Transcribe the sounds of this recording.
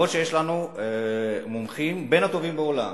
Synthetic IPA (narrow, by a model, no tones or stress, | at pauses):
oʃejeʃlanu | momχimbe̞nat̪o̞vimbeo̞la̰m